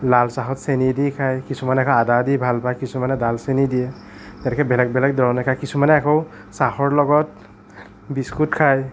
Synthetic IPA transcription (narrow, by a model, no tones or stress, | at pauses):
lalsaɦɔtsenidikʰajkisumanɛakʰɔadadibʱalpajkisumanɛdalsenidijɛ | tɛtɛkʰɛbɛlak̚bɛlak̚dɔɹɔnɛkʰajkisumanɛakɔw | sahɔɹlɔɡɔt̚ | biskutkʰaj